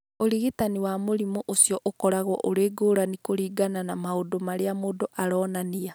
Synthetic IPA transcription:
oɾiɣitaniwaːmoɾimoʔosijɔʔokɔɾaɣwɔʔoɾeːɡoːɾanikoɾiːɡananamaodomaɾeamoːdoʔaɾɔːnania

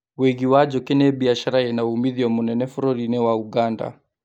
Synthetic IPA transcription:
weɣiwad͡ʒɔkenɛbiaʃaɾaɛnaumiðiɔmunɛnɛfɔɾɔɾinɛwauɣanda̰

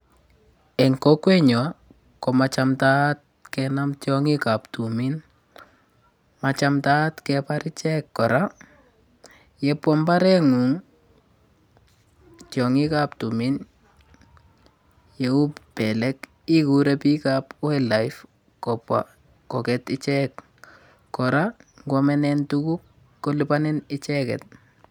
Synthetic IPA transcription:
ɛŋkokwɛɲɔ | kɔmat͡ʃamtat̚kɛnamtjɔŋikaptumin | mat͡ʃamtatkɛpaɾit͡ʃɛkːɔɾa | jɛpwɔmbaɾɛŋuŋ | t͡ʃjɔŋɪkap̚tumin | jeuppɛlɛk | ikuɾɛpikapwelajf | kɔpwa̰ | kɔkɛtɪt͡ʃɛkː | ɔɾaŋɡwɔmɛnɛntukukː | olɪpanɪnɪt͡ʃɛkɛ̰t̚

